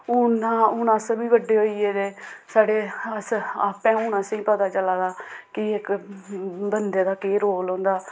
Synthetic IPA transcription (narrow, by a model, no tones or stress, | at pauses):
ʊːnãːʊːnãːsəbiːʋəɖeːɦoːiːeːd̪eːsaːɖeːsa̰ːpɛ̃ːʊːnãːsĩːpəd̪aːt͡ʃəlaːd̪aːkɪɪk | bənd̪eːd̪aːkeːɾoːlõːnd̪aː